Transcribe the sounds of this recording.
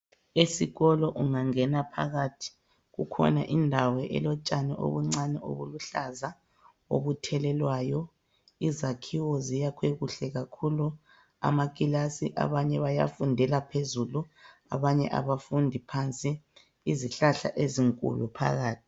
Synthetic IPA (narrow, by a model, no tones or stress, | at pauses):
esiɣɔlɔʔuŋaŋɛnapʰa̰ɣatʰi̥ | ɣṵkʰɔ̰naʔindʱawɛʔɛ̰lɔt͡ʃʼanɛʔo̰βuŋ͡ǀanɛo̰βuluɬaza | o̰βutʰɛlɛlwajɔ | izakʰiwɔzijakʰweɣuɬɛɣakʰulu | a̰makʼilasiʔa̰βaɲɛβaja̰fundʱɛlapʰezulua̰βaɲɛ̰ʔa̰βafundʱipʰant͡sʼiː | ziɬaɬa̰ʔeziŋkʼṵlupʰa̰ɣaːtʰi̥